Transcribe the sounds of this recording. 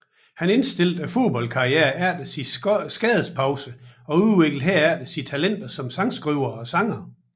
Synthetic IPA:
hæne̝nsd̥e̝l̰d̥æfo̝ðˠb̥ɒ̽l̰kʰɑ̈ieːɐæɐ̰d̥əsisɡ̥ɛːð̩ˠspʰɑ̈ʊsəɒ̽uðˠʋeɡ̥l̩ˠɦæɐæɐ̰d̥əsit͡sʰælen̰d̥ɐsɒ̽msɑ̈ŋsɡ̥ʁyʊɐɒ̽sɑ̈ŋɐ

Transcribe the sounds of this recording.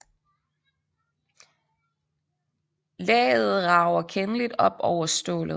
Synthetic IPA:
lɛ̰ːð̞̩ˠʁɑ̈ʊɐkʰenəlid̥ɒ̽b̥ɒʊɐsd̥ɔ̰̽ːlðˠ

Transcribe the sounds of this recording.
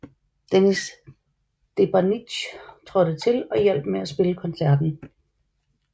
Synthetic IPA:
d̥enis | d̥e̝b̥æni̥ɕt͡sʰʁɒ̽ɾ̥ət͡sʰe̝lɒ̽jel̰b̥meæsb̥e̝ləkʰɒ̽nsæɐ̰d̥n̩

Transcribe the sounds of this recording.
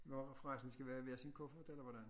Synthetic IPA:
ʋɒfʁaɪsn̩sɡ̥æʋæːɐʋeːɐsinkʰɔ̽fəfɒt͡sʰelɐʋɒdæn

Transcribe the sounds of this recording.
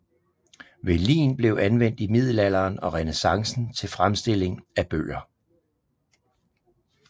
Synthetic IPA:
ʋe̝lḭːnb̥le̝ʊænʋen̰d̥imið̞̰ˠl̩æl̰ɐːnɒ̽ʁɛnesɑ̈ŋsn̩t͡sʰe̝lfʁamsd̥e̝le̝ŋæb̥ø̰ːɐ

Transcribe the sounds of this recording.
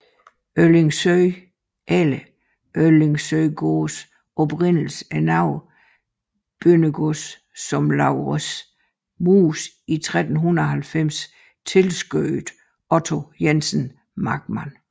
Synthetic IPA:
øleŋsø | ʔelə | ʔøleŋsøɪɡ̥oːs | ɒ̽b̥ʁen̰l̩sænɑ̈ʊ̰ | b̥ønəɡ̥osː | ɒ̽mlɑ̈ʊʁəs | muːs | it͡sʰʁad̥n̩ɦunɐɒɦælfem̰s | t͡sʰe̝lsɡ̥øɪd̥ | ɒ̽t͡sʰo̝jensn | mɑ̈ɡ̥mæn

